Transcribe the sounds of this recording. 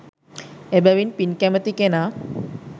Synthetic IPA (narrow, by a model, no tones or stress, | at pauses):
ebæʋinpinkæmət̪ikenaː